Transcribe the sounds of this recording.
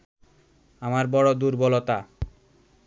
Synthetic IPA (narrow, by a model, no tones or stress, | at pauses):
amaɾbɔɽod̪uɾbɔlot̪a